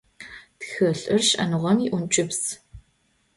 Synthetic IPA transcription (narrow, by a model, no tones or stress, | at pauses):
txɨɬʼɨrʃɐ̰nɨʁʷɔmiːʔʊnt͡ʃʼɪps